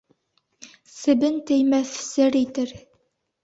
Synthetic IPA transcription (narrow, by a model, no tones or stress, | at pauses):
sɘ̆bɘnt̪ɘjmæθsɘɾit̪ɘɾ